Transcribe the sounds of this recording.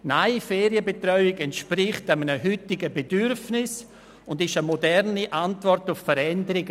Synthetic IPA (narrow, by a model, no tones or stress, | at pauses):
naɪfɛːɾiəbetrœʏɪɡɛntʃpɾɪχtamənəɦʏtɪɡəbedyɾfnɪs | ʊndɪʃəmɔdɛɾniʔantvɔrtʊffəɾɛndəɾɪɡ